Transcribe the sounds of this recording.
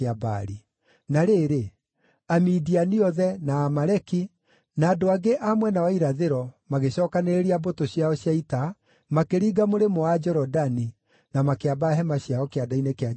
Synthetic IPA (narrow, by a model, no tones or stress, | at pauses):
aba̰ɾi | naɾeːɾe | amidianiɔðɛnaːmaɾɛki | naːdoaɡeʔamwɛnawaiɾaðeɾɔmaɣeɕɔkaneɾeɾiabotoɕjaɔɕjaita | makeɾiːɡamoɾemoad͡ʒɔɾɔdani | namakeabaɦɛmaɕjaɔkeadainekea